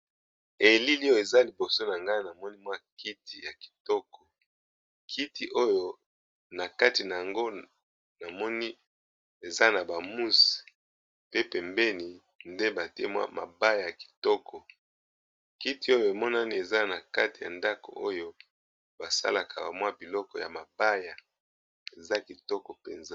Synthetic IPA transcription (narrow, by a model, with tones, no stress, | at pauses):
e˨li˦li˦jo˦e˨za˦li˨bo˨so˦na˨ŋɡa˦i˦na˨mɔ˦ni˦mwa˦ki˦ti˨ja˨ki̥˨tɔ˦kɔ˨ | kʰi˦ti˨ʔo˦jo˨ | na˨ka˦ti˨na˨ja˨ŋɡo˦ | na˨mɔ˦ni˦ | e˨za˦na˨ba˨mu˦si̥˨ | pe˦pɛ˨mbɛ˦ni˨ | nde˦ba˨te˦mwa̰˦mʔa̰˨ba˦ja˨ja˨ki̥˨tɔ˦kʰɔ˨ | ki˦ti˨o˦jo˨e˨mɔ˦na˦ni˦e˨za˦na˨ka˦ti˨ja̰˨nda˦ko̰˨ʔo˦jo˦ | ba˨sa̰˦la˨kʰa˨ba˨mwa˦bi˨lɔ˦kɔ˨ja̰˨ma˨ba˦ja˨ | e˨za˦ki˨tɔ˦kɔ˨pḛ˨nza˦